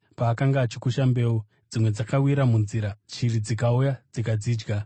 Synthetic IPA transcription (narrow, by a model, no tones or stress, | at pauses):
paːkaŋɡaːt͡ʃikuʃambe̞ːwo | d͡zimwe̞d͡zakawiɾamunziɾat͡ʃirid͡zikaujad͡zikad͡ziːd͡ʒɡa